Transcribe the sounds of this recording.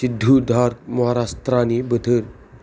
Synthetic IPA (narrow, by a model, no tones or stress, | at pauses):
sid̪ʱːud̪ʱaɾmɔɦaɾast̪ɾanibət̪ʰəɾ